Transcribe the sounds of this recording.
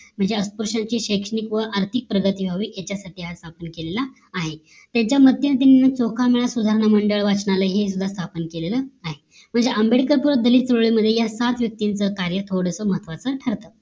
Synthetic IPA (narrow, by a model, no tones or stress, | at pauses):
m̤əɳd͡zeəspuɾʂaɲt͡ɕiːɕekʂəɳikʋəʔaɾt̪ʰik̚pɾəɡət̪ibʱaʋiːjat͡ɕjasaʈʰiːɦast̪ʰapənkelelaː | ɦe | t̪jaɲt͡ɕjamət̪jinət̪̬ininət͡sokʰameɭasud̪ʱaɾɳəməɳɖəɭʋat͡sɳaləɦes̬ud̪ʱːast̪ʰapənkeleləːaɦe | m̤əɳd͡zeʔəmbeɽikəɾpuɾəd̪əlit̪t͡sɾoɭiməd̪ʱːjejasat̪ʋjək̚t̪int͡səkaɾjət̪ʰoɽəsəməɦət̪ʰʋat͡səʈʰəɾt̪ə